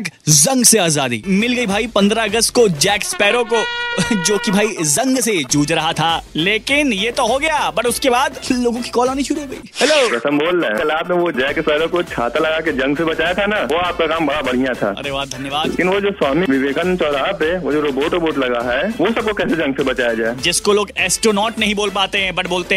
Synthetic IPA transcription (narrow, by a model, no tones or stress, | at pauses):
kzɐ̃ŋɡseaːzaːd̪ḭːmɪlɡɐibʱaːipɐ̃nd̪ɾaɐɡəst̪̚kod͡ʒɛːkspɛːɾõkod͡ʒoːkibʱaːizɐ̃ŋɡsed͡ʒuːd͡ʒɾɐɦat̪ʰaːleːkɪnjet̪oɦoɡɐjabɐʈʊskebaːd̪loːɡõki̥kɔːlaːnit͡ʃʰuɾiɡɐḭːhɛloːpɾɐsə̃mboːlːekɐlaːpneʋod͡ʒɛːkspɛːɾõkot͡ʃʰaːt̪alɐɡaked͡ʒɐ̃ŋɡsebɐt͡ʃaːjat̪ʰanaʋoaːp̚kakaːmbɐɽabɐɽ̤ijat̪ʰa̰ːɐ̰ɾeʋaɦd̪ʱɐnjəʋaːdekɪnʋod͡ʒoːswaːmiʋɪʋeːkənt͡ʃɔːɾaːpeʋoːd͡ʒoɾoːboːʈoboːʈlɐɡaɦɛʋosɐb̚kokɛːsed͡ʒɐ̃ŋɡsebɐt͡ʃaːjad͡ʒaːed͡ʒɪskoloːɡɛːsʈɾoːnɔːʈnɐɦĩboːlpaːt̪eɦɛ̃bɐʈboːlt̪eɦɛ̃